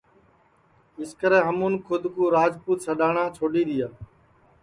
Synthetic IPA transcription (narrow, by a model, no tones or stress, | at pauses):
ɪskəɾeːɦəmuːnkʰʊd̪ʱkuːɾaːd͡ʒpuːt̪səɗaːɳãːt͡ʃʰoːɗiːɗ̪ɪjaː